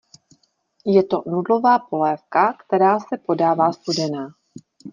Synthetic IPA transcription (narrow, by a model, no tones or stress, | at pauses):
jɛt̪o̞nudlo̞vaːpo̞lɛːfkakt̪ɛɾaːsɛpo̞daːvaːst̪udɛnaː